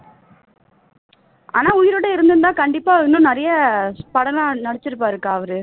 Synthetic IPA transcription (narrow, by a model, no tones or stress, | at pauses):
ʔa̰ːnaːʊjɪɾɯɽɐɪɾɯnd̪ɯnd̪ãːkɐɳɖɪpːaːɪnːʊ̃nɐɾɐjɐpɐɽɐlanɐɽɐt͡ʃːɪɾɯpːaːɪɾɯkːaːɐʋɐɾɯ